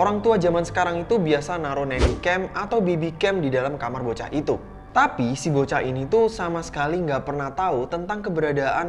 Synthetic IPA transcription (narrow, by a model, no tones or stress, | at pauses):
oɾaŋt̪uad͡ʒamansə̥kaɾaŋit̪ubiasanaɾonɛnikɛmat̪awbebikɛmdidalamkamarbot͡ʃa̰ʔit̪u | t̪apisibot͡ʃainit̪usamasə̥kaliŋɡaʔpərnaht̪aut̪ənt̪aŋkəbəɾadaʔan